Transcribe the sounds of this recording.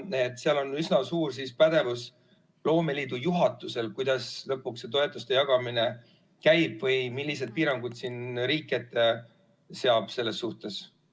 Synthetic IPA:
et̪ːˑseɑlo̞nysnɑsuːrs̬ispæd̪̥e̞vus | lo̞ːme̞liːd̪̥ujuɦɑt̪ːˑuse̞lkujd̪̥ɑslɤpːˑukse̞t̪o̞e̞t̪ːˑust̪e̞jɑɡ̥ɑmine̞ | kæjb̥vɤjmilʲːis̬e̞d̪̚piːɾɑŋɡ̥ud̪̥siːnɾiːkːˑet̪ˑːe | se̞ɑb̥se̞lːe̞sːuht̪e̞s

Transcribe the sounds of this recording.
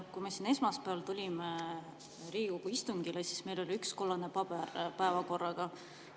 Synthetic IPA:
kuime̞sine̞smɑspæɑlt̪ulʲime | ɾiːɡuɡuist̪uŋɡilesi̥sme̞jlo̞lʲiyksko̞lːɑne̞pɑb̥erpæevɑko̞rːɑɡ̥ɑ

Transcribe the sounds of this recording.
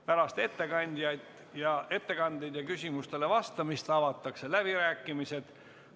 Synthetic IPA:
pæɾɑst̪e̞t̪ːe̞kɑnʲd̪̥jɑjd̪ | jɑe̞t̪ːe̞kɑnd̪ejd̪̥jɑkysʲimust̪e̞le̞vɑst̪ɑmist̪ɑvɑt̪ːˑɑkse̞læb̥iɾæːkːˑimise̞d̪̥

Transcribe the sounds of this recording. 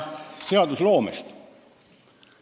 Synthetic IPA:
se̞ɑd̪uslo̞ːmest̪

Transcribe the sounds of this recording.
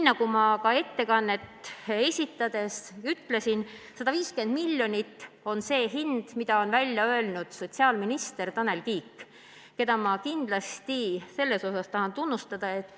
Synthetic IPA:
nːɑkumɑkɑe̞t̪ːe̞kɑnːe̞t̪ːe̞sʲit̪ːˑɑd̪e̞syt̪ːle̞sin | sɑd̪ɑviːske̞nd̪̥milʲːjo̞nʲit̪ːo̞nse̞ːɦind̪̥mid̪ɑo̞nvælʲjɑø̞lnud̪̥so̞t̪ʲsiɑːlminist̪e̞rt̪ɑne̞lkiːkː | ke̞d̪ɑmɑkind̪̥lɑst̪ise̞lːe̞so̞sɑst̪ɑhɑnt̪unːust̪ɑd̪̥ɑe̞t̪ːˑ

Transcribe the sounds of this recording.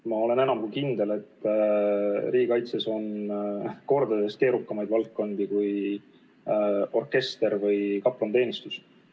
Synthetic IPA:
mɑo̞le̞ne̞nɑmkukind̪e̞le̞t̪ː | riːɡikɑjt̪seso̞n | ko̞rd̪ɑd̪e̞st̪ke̞ːɾukːɑmɑjd̪vɑltːo̞nd̪ikuj | o̞rke̞st̪e̞ɾvɤjkɑpːlont̪e̞ːnist̪us

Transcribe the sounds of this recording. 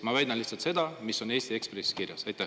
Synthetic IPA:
mɑvæjd̪ɑnliht̪sɑlt̪se̞d̪ɑmisːo̞ne̞ːst̪ie̞kspresi̥kirjɑsɑjt̪ːæ

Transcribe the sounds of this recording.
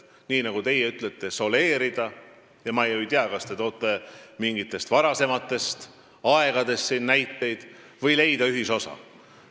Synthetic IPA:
niːnɑɡ̥ut̪e̞jeyt̪ˑlet̪ːˑe̞so̞le̞ːɾid̪̥ɑ | jɑmɑejojt̪iɑkɑst̪e̞t̪o̞ːt̪ːˑemiŋɡit̪ːˑe̞st̪vɑɾɑse̞mɑt̪ːˑe̞st̪ | ɑe̞ɡ̥ɑd̪e̞st̪sinːæjt̪ːe̞jd̪̥ | vɤjle̞jd̪ɑyɦiso̞sɑ̰

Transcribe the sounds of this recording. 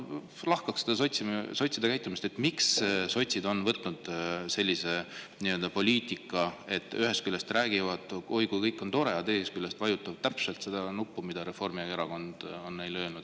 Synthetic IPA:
lɑhkɑksed̪ɑsot̪ʲsiso̞t̪sid̪ɑkæjt̪ːˑumist̪e̞t̪ːˑmiksso̞jt̪ʲsid̪o̞nvɤt̪nud̪̥se̞lʲːise̞ | niø̞ld̪ɑpo̞lʲiːt̪ˑikːˑɑe̞t̪ːˑyɦe̞st̪̚kylːest̪ræːɡivɑd̪̥ojkujkɤjkːˑo̞nt̪o̞ɾe̞ɑt̪eːhest̪kylːest̪vɑjut̪ːˑɑvt̪æpse̞lt̪se̞d̪̥ɑnupːumid̪̥ɑɾe̞fo̞rmiɑeɾɑko̞nd̪̥o̞nːe̞jløːnud̪̥

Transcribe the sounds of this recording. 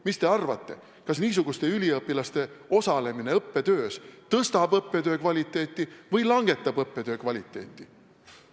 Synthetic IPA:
mist̪e̞ɑrvɑ̰t̪ːˑe̞̰ | kɑsniːs̬uɡ̥ust̪e̞ylʲiɤpːˑilɑst̪e̞o̞sɑle̞mine̞ɤpːe̞t̪ø̞ːst̪ɤst̪ɑbɤpːe̞t̪øːkvɑlʲit̪ːˑe̞ːt̪ːˑivɤjlɑŋɡe̞t̪ːˑɑbɤpːe̞t̪ø̞ːkvɑlʲit̪ːˑe̞̰ːt̪ˑːi

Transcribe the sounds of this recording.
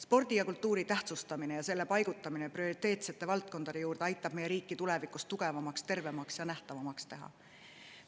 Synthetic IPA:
spo̞rd̪̥ijɑkult̪ːˑuːɾit̪æht̪sust̪ɑmine̞jɑse̞lːe̞pɑjɡ̥ut̪ːˑɑmine̞prio̞ɾit̪ːˑe̞ːt̪se̞t̪ːˑe̞vɑlt̪̚ko̞nd̪ɑd̪e̞juːrd̪e̞ɑjt̪ːˑɑb̥̚mejeɾiːkːˑit̪ule̞vikːˑust̪uɡ̥e̞vɑmɑkst̪e̞rve̞mɑksjɑnæht̪ɑvɑmɑkst̪e̞ɦɑ̰

